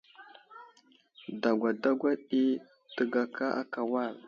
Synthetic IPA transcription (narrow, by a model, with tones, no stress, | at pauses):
da˨ɡʷa˨da˦ɡʷa˦ɗi˦ | tə˨ɡa˨kʰa˦ʔa˦ka˨wa˦˨l